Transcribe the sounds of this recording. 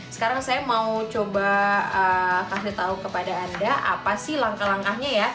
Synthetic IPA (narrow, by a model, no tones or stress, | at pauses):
sə̥kaɾaŋsajamaut͡ʃobaəkasit̪aukəpadaːndaʔa̰pasɪhlaŋkahlaŋkahɲaja